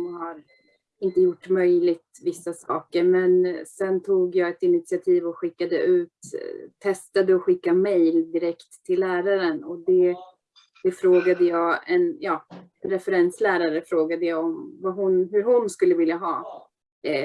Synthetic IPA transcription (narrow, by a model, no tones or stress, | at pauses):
nhaɾ | ɪnt̪əjʊʈːmœjlɪt̪vɪsːasɑ̰ːkəɾmɛnsɛnt̪ʰuːɡjɑɛt̪ɪnɪt̪sɪat̪ʰiːvɔɧɪkːad̪ə̰ʔʉ̟ːt̪ʰːɛst̪ad̪əɔɧɪkːamɛjld̪ɪɾɛkt̪ʰːɪlːæːɾaɾənɔd̪ɛ | d̪̥ɛfɾoːɡad̪əjɑːɛnjɑːɛnɾɛfɛɾɛnslæːɾaɾəfɾoːɡad̪əjɑːɔmvaɦʊnɦɵɾɦʊnskɵlːəvɪljaɦɑ̰ː